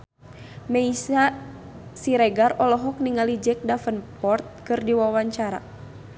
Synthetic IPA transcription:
mɛisa | siɾɛɡarɔlɔɦɔk̚niŋalid͡ʒɛk̚dafənpɔrt̪̚kɨrdiwawaɲt͡ʃaɾa̰

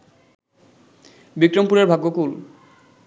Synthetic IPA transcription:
bikɾompuɾeɾbʱaɡːokul

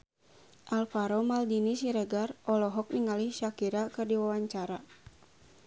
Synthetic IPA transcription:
ʔalfaɾɔmaldinisiɾəɡarʔɔlɔɦɔk̚niŋaliʃakiɾakɨrdiwawaɲt͡ʃaɾa

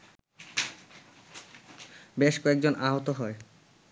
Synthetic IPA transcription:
beʃkoek̚d͡ʑonʔaɦot̪oɦɔe

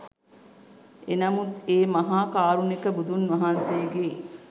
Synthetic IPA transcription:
enɐmut̪eːmɐɦaːkaːɾunikəbud̪unʋɐɦansejɡeː

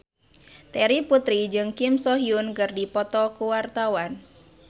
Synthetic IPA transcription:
t̪ɛɾiput̪ɾid͡ʒɨŋkɪmsɔɦiunkɨrdipɔt̪ɔkuwart̪awan

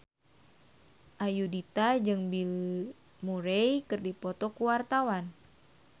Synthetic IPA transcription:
ʔajudit̪ad͡ʒɨŋbil | muɾejkɨrdipɔt̪ɔkuwart̪awan

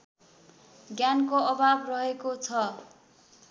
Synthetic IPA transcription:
ɡjankoʌbabrʌɦekot͡sʰʌ

